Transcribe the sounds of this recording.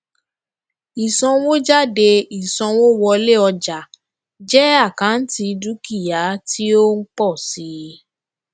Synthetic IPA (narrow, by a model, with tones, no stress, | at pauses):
i˨sɔ̃˧wo˦d͡ʒa˦de˧i˨sɔ̃˧wo˦wɔ˧le˦ɔ˧d͡ʒa˨ | d͡ʒɛ˦a˦˨kã˨˦n̩˦ti˧du˦ki˦˨ja˨˦ti˦o˦n̩˦k͡pɔ˦˨si˨˦